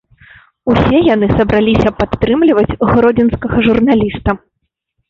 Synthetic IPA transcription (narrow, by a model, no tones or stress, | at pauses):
usʲɛjanɨsɐbɾalʲisʲɐpat̪ːɾɨmlʲivɐd͡zʲɣɾɔd͡zʲɛnskɐɣɐʐurnalʲist̪ɐ